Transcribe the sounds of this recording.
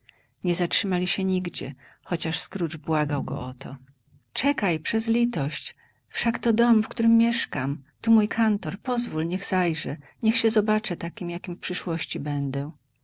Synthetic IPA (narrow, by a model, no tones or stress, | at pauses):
ɲɛzatʂɘmalʲiɕɛɲiɡd͡ʑɛ̰xɔt͡ɕaʂskɾud͡ʐbwaɡawɡɔ̰ʔɔt̪ʰɔ̰ | t͡ʂɛkajpʂɛzlʲit̪ɔɕt͡ɕ | fʂakt̪ɔd̪ɔmfkt̪uɾɘmːjɛʂkamt̪umujkʰant̪ɔɾpɔzvulɲɛɣz̥ajʐɛɲɛxɕɛzɔbat͡ʂɛt̪akʲimjakʲimfpʂɘʂwɔɕt͡ɕibɛnd̪ɛ